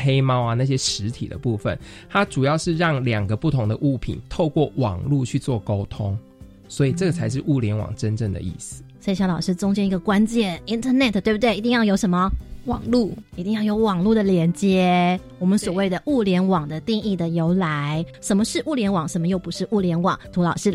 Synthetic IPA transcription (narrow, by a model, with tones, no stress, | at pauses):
he˦˥ɪmɑ˥ʊa˨na˥˧˩ɕ̬jɛ˦ʂɻ̩˧˦t̪ʰḭ˨d̪ə̰˦pu˥˧fə̰˨˩nt̪ʰa˦˥ʈ͡ʂu˨˩jɑ˥˧ʊʂɻ̩˥˧ɻɑ˥˩ŋljɑ˨˩ŋɡə˦pu˥˩t̪ʰʊ˧˥ŋd̪ə̰˧ʔu˥˩pʰḭ˨˩nt̪ʰo˥˧ʊkwɔ˥˩wɑ̰˨˩ŋlu˥˧t͡ɕʰy˥˧t͡swɔ˥˨˩ko˥ʊt̪ʰʊ˦ŋ | swɔ˧˦˥i˨˩ʈ͡ʂə˥˩ɡə˩t͡sʰa˧˥ɪʂ̬ɻ̩˥˧˩ʔu˥˩ljɛ˧˦nwɑ̰˨˩ŋʈ͡ʂə˦nʈ͡ʂə˥˩ŋd̪ə̰˩ʔḭ˥˩s̩˨swi˨˩ɕɑ˧ʊlɑ˨˩ʊʂɻ̩˥t͡sʊ˥ŋt͡ɕjɛ˥ni˧˥ɡə˨˩kwa˦˥nt͡ɕjɛ˥˩ni˥nt̪ʰə˧nɛ˥˩t̪ʰt̪e˥˩b̚u˩t̪wɪi˧t̪i˥ŋjɑ˥˩ʊjo˧˥ʊʂə˧˥nmə˨wɑ̰˨˩ŋlu˥˩i˧t̪i˥˧ŋjɑ˥˩ʊjo˧˥ʊwɑ˨˩ŋlu˥˩d̪ə˩ljɛ˧˥nt͡ɕjɛ˦˥ | wɔ˨˩mə˦nswɔ˨˩we˥˩ɪd̪ə˩ʔu˥˩ljɛ˧˥nwɑ˨˩ŋd̪ə˦t̪i˥˧ŋi˥˩d̪ə˩jo˧˥ʊla˧˦ɪʂə˧˦mə˧ʂɻ̩˥˧ʔu˥˩ljɛ˧˥nwɑ˨˩˦ŋʂə˧˥mə˧jo˥˩ʊpu˧˥ʂɻ̩˥˧ʔu˥˩ljɛ˧˥nwɑ̰˨˩ŋt̪ʰu˧˥lɑ˨˩ʊʂɻ̩˥˩